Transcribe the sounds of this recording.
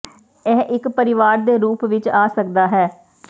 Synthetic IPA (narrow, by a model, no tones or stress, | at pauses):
ɛːʔɪkpəɾɪʋaːɾd̪eːɾuːpʋɪt͡ʃaːsək̚d̪aːɦɛː